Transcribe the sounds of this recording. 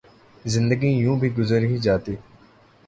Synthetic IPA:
zɪ̃nd̪əɡijũːbʱiɡʊzəɾɦid͡ʒaːt̪iː

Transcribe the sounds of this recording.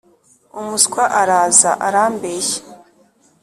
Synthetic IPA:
umuskwaʔaɾaːza̰ʔaɾaːmbeːçe̥

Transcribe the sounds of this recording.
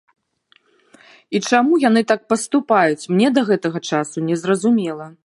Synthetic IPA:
it͡ʂamujan̪ɨt̪ak̚pɐst̪upajut͡sʲmnʲɛd̪ɐɣɛt̪ɐɣɐt͡ʂasunʲɛzrɐzumʲɛlˠɐ

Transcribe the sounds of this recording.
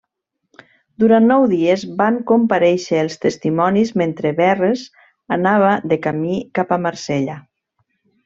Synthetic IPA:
d̪uɾanːɔwðiezbaŋkompaɾɛʃəːlˠst̪əst̪imɔnizment̪ɾeβɛrez | anaβ̞aðəkamikapamaɾseʎa

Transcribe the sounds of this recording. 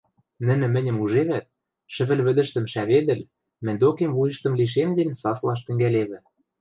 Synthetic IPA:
nɘ̆nɘ̆mɘ̆nʲə̆muʒeβæt̪̚ | ʃɘ̆βɘ̆lβɘ̆d̪ə̆ʃt̪ə̆mʃæβed̪ɘ̆l | mɘ̆nʲd̪okemβujə̆ʃt̪ə̆mliʃ̬emd̪ensɑslɑʃ̬t̪ɘ̆ŋɡæleβɘ̆

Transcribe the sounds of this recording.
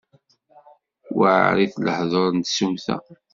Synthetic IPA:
wəʕ̰ɾiθləħðˤoɾˤnt̪sumθæ̰

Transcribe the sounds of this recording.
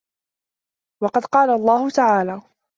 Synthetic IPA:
wɑqɑd̪qɑːlalˤːɑːhʊt̪aʕaːlaː

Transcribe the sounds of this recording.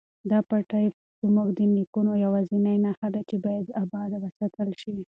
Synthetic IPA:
d̪ɑpaʈajf | zəmuɡd̪ənlikunojawazinajnaxad̪at͡ʃebɑjad̪abɑd̪awəsat̪əlʃi

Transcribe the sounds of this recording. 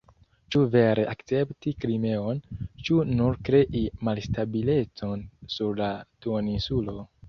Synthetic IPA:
t͡ʃuve̞ɾe̞ʔakt͡se̞ptikɾime̞o̞nt͡ʃunuɾkɾe̞ʔimalstabile̞t͡so̞nsuɾlatuoninsulo̞

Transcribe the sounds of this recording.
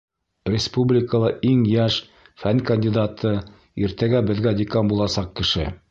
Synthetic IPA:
rʲɪspublʲɪkəlˠɤiŋjæʃ | fænkɐnʲdʲid̪at̪ʰɤ | iɾt̪æɡæbɘ̆ðɡæd̪ʲɪkɑmbulˠɑsɑq̚kɘ̆ʃɘ

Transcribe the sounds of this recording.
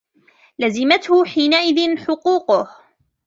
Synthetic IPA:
lazɪmat̪hʊħiːnaʔɪðɪnħʊquːqʊh

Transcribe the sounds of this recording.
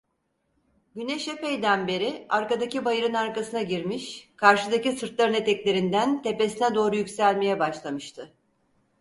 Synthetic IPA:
ɟyneʃe̞pejd̪ænbe̞ɾiaɾkad̪acibajɯɾɯnaɾkasɯnaɟiɾmiʃkʰaɾʃɯd̪acisɯɾt̪lˠaɾɯne̞t̪ɛclʲe̞ɾind̪ænt̪ʰe̞pe̞sinɛd̪o̞ːɾujycʲsælʲme̞jɛbaʃlˠamɯʃt̪ʰɯ

